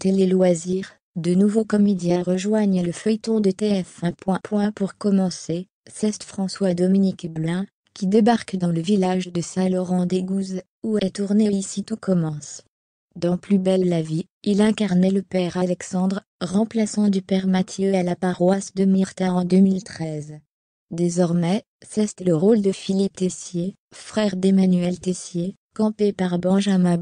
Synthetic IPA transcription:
t̪elelwaziʁ | d̪ənuvokɔmed̪jɛ̃ʁəʒwaɲləfœjt̪ɔ̃d̪ət̪eɛfɛ̃pwɛ̃pwɛ̃puʁkɔmɑ̃se | sɛst̪fχɑ̃swad̪ɔminikblɛ̃ | kʲid̪ebaʁkd̪ɑ̃ləvilaʒd̪əsɛ̃lɔʁɑ̃d̪eɡuz | uɛt̪uʁneisit̪ukɔmɑ̃s | d̪ɑ̃plybɛllavi | ilɛ̃kaʁnɛləpɛʁalɛksɑ̃d̪ʁ | ʁɑ̃plasɑ̃d̪ypɛʁmat̪jøalapaʁwasd̪əmiʁt̪ãɑ̃d̪ømilt̪χɛz | d̪ezɔʁmɛ | sɛst̪ɛləʁold̪əfilip̚t̪esje | fχɛʁd̪emanyɛlt̪esje | kɑ̃pepaʁbɑ̃ʒamɛ̃

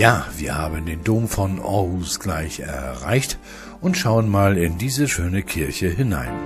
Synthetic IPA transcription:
jaːv̥iːɐhaːbəndeːndoːmfɔnʔɔ̰ʁusɡ̥laɪçɛ̰ɐʁa̰ɪçt | ʔʊntʃaʊənmaːlɪndiːzəʃøːnəkʰɪɐçəɦɪna̰ɪn

